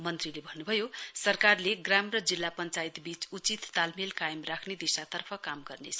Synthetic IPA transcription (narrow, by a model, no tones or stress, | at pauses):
mʌnt̪rilebʱʌnːubʱʌjosʌrkarleɡramrʌd͡zilːapʌnt͡sajit̪bit͡sut͡sit̪ːalmilkajʌmrakʰned̪isat̪ʌrpʰʌkamɡʌrnet͡sʰʌ